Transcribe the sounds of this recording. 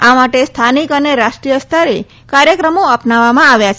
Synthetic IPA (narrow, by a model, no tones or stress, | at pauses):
amaʈest̪ʰanikəneɾaʃʈɾijəst̪ʰaɾe | kaɾjəkɾəmoapnaʋːamãaʋjat͡ʃʰ